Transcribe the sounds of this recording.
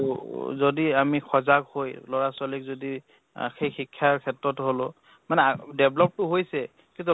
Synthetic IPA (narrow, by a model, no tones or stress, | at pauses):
zodiamixʰɔzaɡhojlɔɹasɔlik̚zodi | xejxikʰːjaɹkʰɛtɹɔtɦolʊ | manɛdɛblɔp̚tʊɦojsɛ | kitu